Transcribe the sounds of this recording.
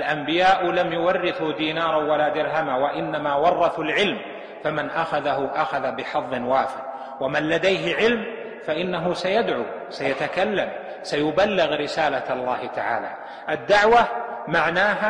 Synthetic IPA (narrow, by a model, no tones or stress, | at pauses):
lʔambɪjaːʔlamjʊwɑrːɪθud̪iːnɑːɾˤɑwalaːd̪ɪɾɦamawaʔɪnːamaːwɑrˤːɑθalʕɪlm | famanʔaxaðaɦʊʔaxaðabɪħɑðˤːɨnwaːfɪq̚ | wamanlad̪ajɦɪʕɪlm | faʔɪnːaɦʊsajad̪ʕusajat̪akalːam | sajʊbalːɪɣɾɪsaːlalˤːaːhɪt̪aʕa̰ːla̰ː | ʔad̪ːaʕwamaʕnaːɦa